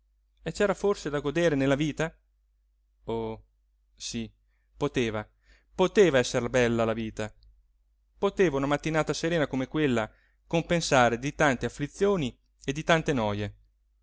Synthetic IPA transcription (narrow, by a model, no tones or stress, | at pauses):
et͡ʃɛːɾaforsed̪aɡod̪eːɾenelːaviːt̪a | o | si | pot̪eːva | pot̪eːvaɛsːeɾbɛlːalaviːt̪a | pot̪eːvaunamat̪ːinaːt̪aseɾeːnakomekwelːa | kompensaːɾed̪it̪ant̪eafːlit̪sːjoːni | ed̪it̪ant̪enɔːje